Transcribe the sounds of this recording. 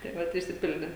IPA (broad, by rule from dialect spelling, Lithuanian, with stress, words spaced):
tɐɪ ˈʋɐt ɪʃʲsʲɪˈpʲɪlʲdʲeː